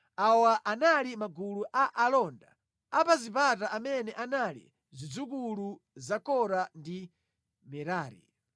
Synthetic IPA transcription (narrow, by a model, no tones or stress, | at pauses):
awaʔanalimaɡuluʔaʔalɔnda | apazipataʔamɛnɛʔanalḭ | zid͡zuk̬uluzakɔɾandi | mɛɾaːɾḭ